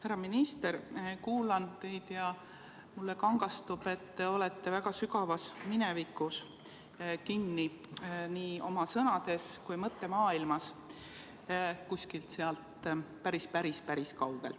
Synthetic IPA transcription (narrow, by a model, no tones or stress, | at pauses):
hæɾɑminist̪e̞ɾkuːlɑnt̪e̞jd̪̥jɑ | mulːekɑŋɡ̥ɑst̪ub̥e̞t̪ːeo̞let̪ːe̞væɡ̥ɑsykɑvɑsminɛvikːˑus | kinːiniːo̞mɑsɤnɑd̪̥e̞skujmɤt̪ːe̞mɑːilmɑs | kusʲkilt̪seɑlt̪pæɾispæɾispæɾiskɑwɡ̥elt̪